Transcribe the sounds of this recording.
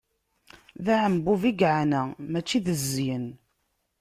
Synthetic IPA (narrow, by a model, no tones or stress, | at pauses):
ðæʕəmbuviɡʕanæmæt͡ʃːiðəzːjən